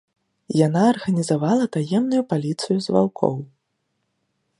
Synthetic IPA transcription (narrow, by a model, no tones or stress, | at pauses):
janaːrɣɐnʲizavalˠɐt̪ajɛmnujupalʲit̪sɨjuzva̰lkʰɔ̰w